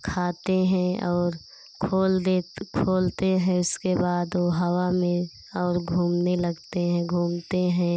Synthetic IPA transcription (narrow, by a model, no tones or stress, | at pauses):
kʰaːt̪eɦɛ̃ɔːɾ | kʰoːld̪eːkʰoːlt̪eɦɛ̃ʊskebaːd̪ʋoɦɐwamẽ | ɔːɾɡʱuːmnelɐɡt̪eɦɛ̃ɡʱuːmt̪eɦɛ̃ː